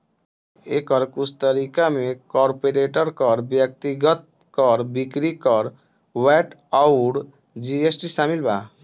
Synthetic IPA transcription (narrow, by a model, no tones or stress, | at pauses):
ekəɾkusʰt̪əɾikamekɔɾpeɾeʈəɾkəɾbjək̚t̪iɡət̪̚ | kəɾbikɾikəɾ | wɛʈaʊɽ | d͡ʒiesʈisamilba